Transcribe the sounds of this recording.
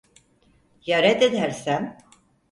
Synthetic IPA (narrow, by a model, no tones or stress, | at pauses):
jaɾɛd̪ed̪æɾsæm